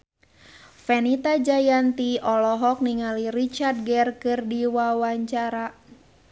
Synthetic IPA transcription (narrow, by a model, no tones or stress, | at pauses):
fɛnit̪ad͡ʒajant̪iɔlɔɦɔk̚niŋalirit͡ʃard̪̚ɡɛrkɨrdiwawaɲt͡ʃaɾa